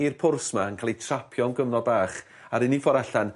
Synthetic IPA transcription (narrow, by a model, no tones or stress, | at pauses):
irpʰʊrsmaənkʰaːlˠitʰrapʰjɔnɡəvnɔd̚baːχ | aɾɪnifɔɾaɬan